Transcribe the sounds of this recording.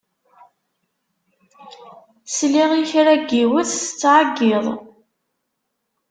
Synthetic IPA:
sliʁiçɾæɡːiwəθst͡sːʕaɡːiðˤ

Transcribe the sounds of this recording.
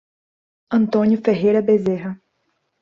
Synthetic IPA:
ɐ̃nt̪õnjʊfeɦejɾɐbezeɦɐ

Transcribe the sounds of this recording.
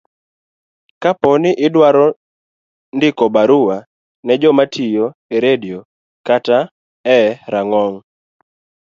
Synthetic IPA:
kapɔnɪʔɪdwaɾɔ | ndɪkɔbaɾʊa | nɛd͡ʒɔmatʰijoeɾedio | kata | ɛɾaŋɔŋ

